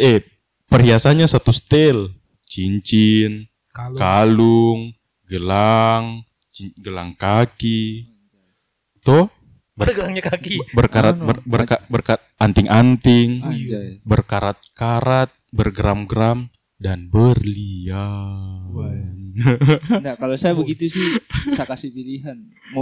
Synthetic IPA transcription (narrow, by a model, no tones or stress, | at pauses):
ɛ | pəɾiasaɲasat̪ust̪ɛl | t͡ʃiɲt͡ʃin | kaluŋ | ɡəlaŋ | ɡəlaŋkaki | t̪oh | bəkaibərkaɾat̪̚bəbərkabərkat̪ant̪ɪŋʔant̪ɪŋ | bərkaɾat̪̚kaɾat̪̚bərɡɾamɡəɾam | danbərlia | n | ndakalosajabəɡit̪usɪhsakasihpiliɦan | m